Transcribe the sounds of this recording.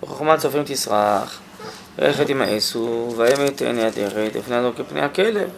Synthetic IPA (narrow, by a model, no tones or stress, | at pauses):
beχoχmat͡sofʁimt̪isʁaχ | ḛχet̪imaʔesuvaemet̪ḛnjad̪eʁet̪lḭfneazokepnḛjhakelev